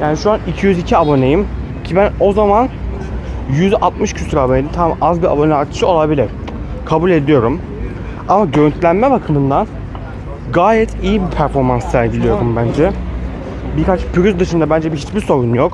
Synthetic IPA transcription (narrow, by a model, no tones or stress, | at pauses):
jaːniʃuanicʰijyzicʰiabo̞nejim | cʰibæno̞zaman | jyzʔat̪mɯʃcʰysyɾabo̞ned̪imt̪ʰamʔazbia̰bo̞nɛat͡ʃʰɯ̥ʃɯo̞lˠabilʲiɾ | kʰabulʲe̞d̪ijo̞ɾum | amaɟøɾynt̪lʲænmɛbakʰɯmɯnd̪an | ɡaːjɛt̪ʰijibipʰæɾfo̞ɾmansːsæɾɟilʲijo̞ɾumbænd͡ʒɛ | biɾkʰat͡ʃpʰyɾyzd̪ɯʃɯnd̪abænd͡ʒɛbiɦit͡ʃbiso̞ɾunjok